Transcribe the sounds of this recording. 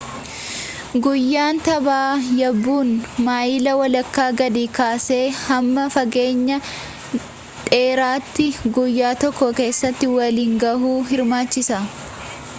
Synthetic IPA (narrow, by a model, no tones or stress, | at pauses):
ɡʊjːaːnt̪ɐbaːjɐbːuːnmaːjɪlɐwɐlɐkːaːɡɐd̪iːkaːse̞ːhɐmːɐfɐɡe̞ːɲːɐ | t̪ʼe̞ːɾaːt̪ːɪɡʊjːaːt̪ɔkːɔke̞ːsːɐt̪ːɪwɐliːŋɡɐɦuːɦɪɾmaːt͡ʃːɪsɐ